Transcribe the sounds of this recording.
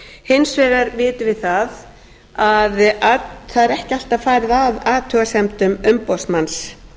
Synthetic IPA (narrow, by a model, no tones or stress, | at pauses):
hɪnsvɛːɣaɾvɪːt̪ɪvɪðθað | aðaθaðɛɾɛhcɪal̥t̪aðfaːjɾðavaːt̪ʰœːɣasɛmt̪ʏmʏmpɔsmans